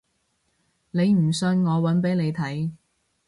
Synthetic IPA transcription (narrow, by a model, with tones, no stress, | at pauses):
ne˨˧jm̩˨˩sɵ˧nŋɔː˨˧wɐ˨˥npe˨˥jne˨˧jt̪ʰɐ˨˥j